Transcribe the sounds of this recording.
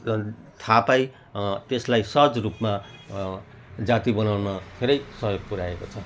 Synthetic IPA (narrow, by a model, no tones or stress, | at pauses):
t̪ʰapaj | t̪eslajsʌd͡zrupma | d͡zat̪ibʌnawnʌpʰeɾʌjsʌɦjoɡ̚puɾaekot͡sʰʌ